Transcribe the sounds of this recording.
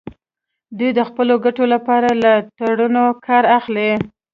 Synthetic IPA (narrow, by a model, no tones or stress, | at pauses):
d̪ujd̪əxpəloɡaʈolapɑɾalat̪aɽunokʰɑɾaxle